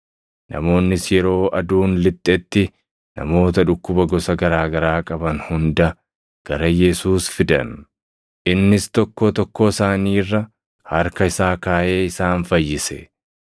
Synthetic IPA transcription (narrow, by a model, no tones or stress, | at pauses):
nɐ̰mo̞ːnːɪsjɛɾo̞ːʔɐd̪uːnlɪt̪ʼːɛt̪ːɪ | nɐ̰mo̞ːt̪ɐᶑʊkːʊbɐɡɔsɐɡɐɾaːɡɐɾaːkʼɐbɐnhʊnd̪ɐ | ɡ̥ɐɾɐjɛsuːsfɪd̪ɐ̰n | ʔɪnːɪst̪ɔkːot̪ɔkːosaːniːrːɐ | hɐɾkɐɪsaːkaːʔe̞ːɪsaːnfɐjːɪsɛ